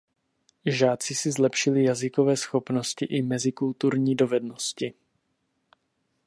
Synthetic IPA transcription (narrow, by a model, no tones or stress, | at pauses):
ʒaːt͡sɪsɪzlɛpʃɪlɪjazɪko̞vɛːsxo̞pno̞scɪʔɪmɛzɪkult̪uɾɲiːdo̞vɛdnoscɪ